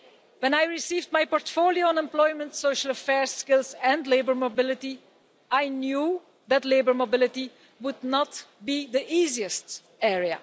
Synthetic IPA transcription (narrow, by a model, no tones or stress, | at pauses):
wɛ̃najɹɪsiːvd̚majpɔɹtfolioə̃nɛ̃mplɔjmə̃ntsoʃələfɛɹsskɪlˠzɛ̃ndleɪbəɹmobɪlɪti | ajnjuː | ðætleɪbəɹmobɪlˠɪti | wʊdnɔtbiðiʔiːziɨst | ɛɹiə̰